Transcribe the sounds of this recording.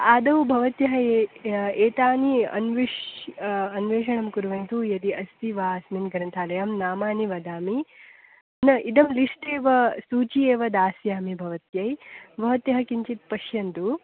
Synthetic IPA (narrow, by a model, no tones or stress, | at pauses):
aːd̪ɐwbʱɐʋɐt̪jɐɦɐ | eːt̪aːniɐ̰nʋiʃ | ɐnʋeːʂɐɳɐmkuɾʋɐnt̪ujɐd̪iʔɐst̪iʋaːsminɡɐɾɐnt̪ʰaːlɐjamnaːmaːniʋɐd̪aːmi | nɐʔid̪ɐmliʂʈeːʋɐsuːt͡ʃieːʋɐd̪aːsjaːmibʱɐʋɐt̪jɐjbʱɐʋɐt̪jɐɦɐkiɲt͡ʃit̪̚pɐʃjɐnt̪u